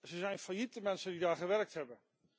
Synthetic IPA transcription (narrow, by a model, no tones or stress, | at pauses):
zəzɛjnfajitəmɛnsəndidaːχəʋɛrk̚thɛbə